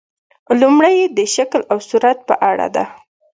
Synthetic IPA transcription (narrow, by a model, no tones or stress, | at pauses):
lumɽəjed̪əʃaklawsuɾat̪̚pə̰ʔaɽa̰d̪a̰